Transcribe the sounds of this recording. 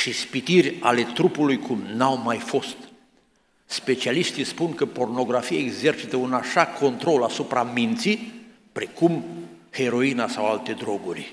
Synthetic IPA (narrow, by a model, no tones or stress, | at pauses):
ʃispit̪irʲa̰le̞t̪ɾupulujkʰumnawmajfo̞st̪ | spe̞t͡ʃialiʃt̪ispuŋkəpo̞rno̞ɡɾafijaeɡze̞rt͡ʃit̪əunaʃakʰo̞nt̪ɾo̞lasupɾamint̪si | pɾe̞kum | he̞ɾo̞inasawalt̪e̞d̪ɾo̞ɡurʲ